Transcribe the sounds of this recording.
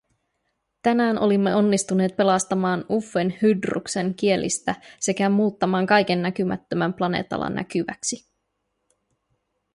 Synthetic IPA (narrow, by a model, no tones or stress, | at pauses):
t̪ænæːnʔo̞limːe̞o̞nːist̪une̞ːt̪̚pe̞lɑst̪ɑmɑːnufːe̞nhydrṵkse̞ŋkie̞lʔḭst̪æse̞kæmuːt̪ːɑmɑːŋkɑjk̟e̞nːækymæ̰t̪ːømæmplɑne̞̰ːt̪ɑ̰lɑ̰nːʔæ̰k̟yʋæ̰ksi